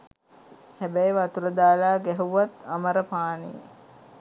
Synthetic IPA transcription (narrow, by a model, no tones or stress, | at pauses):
hæbæjʋat̪uɾəd̪aːlaːɡɛɦuʋat̪aməɾəpaːnḭ